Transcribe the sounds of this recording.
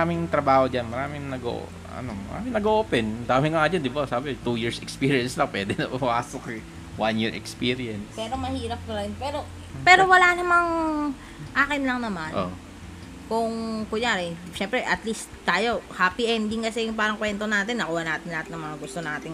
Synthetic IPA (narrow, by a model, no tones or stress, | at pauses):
aːmɪŋt̪ɾɐbaːhod͡ʒanmɐɾaːmɪŋnɐɡo̰ʔo̰ | ɐ̰nommɐ̰ɾa̰ːmɪŋnɐɡoʔoːpɛnd̪aːmɪŋɐŋad͡ʒand̪ɪbasaːbɪt̪ujiɹsɛkspiːɾijɐnslɐŋpwɛːd̪ɛnɐaːsokɛ | wanjiɹɛ̰kspiːɾɪɐnspɛːɾomɐhiːɾɐp̚kɐɾɐjonpɛːɾo̞ | pɛːɾo̞wɐlanɐmaŋ | ʔaːkɪnlɐŋnɐmanʔo̰ | kʊŋkʊjaɾɛ | ʃɛmpɾɛʔɐt̪list̪t̪ːaːjo̞haːpiʔɛnd̪ɪŋkɐsɛjʊŋpaːɾɐŋkwɛnt̪o̞naːt̪ɪnːɐkuːhɐnaːt̪ɪnlɐaːhat̪nɐŋmɐŋaɡʊst̪o̞naːt̪ɪŋ